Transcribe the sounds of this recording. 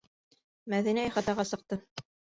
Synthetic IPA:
mæðinæjɑχɑt̪ɑʁɑsɤ̆q̚t̪ɤ

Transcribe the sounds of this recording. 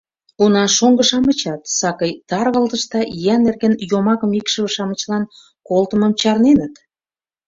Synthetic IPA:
kunɑʃoŋɡə̆ʃɑmət͡ɕɑt̪sɑkəjt̪ɑrɣəlt̪ə̆ʃt̪ɑʔjænerɣĕnjomɑkə̆mikʃə̆βəʃɑmə̆t͡ɕlɑn | kolt̪əmə̆mt͡ɕɑrnenət̪

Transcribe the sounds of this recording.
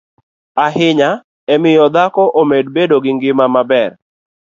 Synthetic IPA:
aɦɪɲa | ɛmɪjɔd̪akɔʔomed̚bedoɡɪŋɡɪmamabɛr

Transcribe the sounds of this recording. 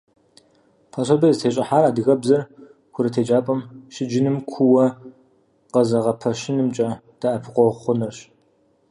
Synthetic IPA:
pʰɐɕʷɐbɐztʰeːɕʼɪħaːɾaːdɨɣɐbzɐr | kʷʰʊɾɐtʰeːd͡ʒʼaːpʼɐmʃɪd͡ʒɪnɨmkʷʰʊwɐ | qɐzɐʁɐpʰɐʃɪnɨmt͡ʃʼɐd̥aʔɐpʰɨqʷɔʁχʷʊnɐrɕ

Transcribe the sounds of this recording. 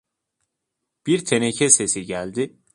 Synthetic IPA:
b̥iɾt̪ʰenecʰɛse̞siɟælʲd̪ɪ

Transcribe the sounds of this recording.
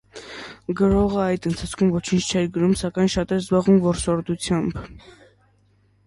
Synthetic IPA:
ɡəɾɔʁəɑjd̪ənt̪ʰɑt͡sʰkʰumvɔt͡ʃʰint͡ʃʰt͡ʃʰɛɾɡəɾumsɑkɑjnʃɑt̪ɛɾzbɑʁumvɔɾsɔɾd̪ut͡sʰjɑmb

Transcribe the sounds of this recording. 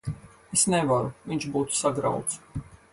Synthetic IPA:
esnɛvaɾuviɲt͡ʃbuːt̪u̥saɡɾa̰wt̪s

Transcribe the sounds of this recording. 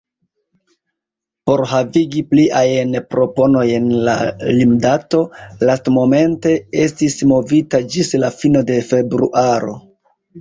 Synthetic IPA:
po̞ɾɦaviɡipliʔajnpɾo̞po̞no̞je̞nlalimdato̞lastmo̞me̞nte̞e̞stismo̞vitad͡ʒislafino̞de̞fe̞bɾṵʔaɾo̞

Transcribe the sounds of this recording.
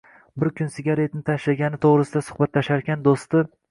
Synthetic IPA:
bɪɾkʲʰʊnsɪɡʲaɾe̞t̪nɪt̪ʰaʃlaɡʲanɪt̪ʰoʁɾɪsɪd̪asʊ̥χbat̪laʃaɾkʲand̪ost̪ɪ

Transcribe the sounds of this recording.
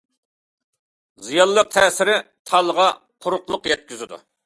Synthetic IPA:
zijɑlˠːəq̚t̪ʰɛːsɪɾɪ | t̪ʰɑlˠəʁɑ | qʰʊɾʊqlˠʊqjɛt̪̚kʲyzɪd̪ṵ

